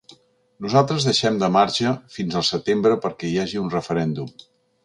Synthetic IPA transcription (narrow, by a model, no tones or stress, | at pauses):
nuzalˠt̪ɾəzðəʃɛmd̪əmaɾʒəfinzəlˠsət̪embɾəpəɾkɛiaʒiunrəfəɾɛnd̪um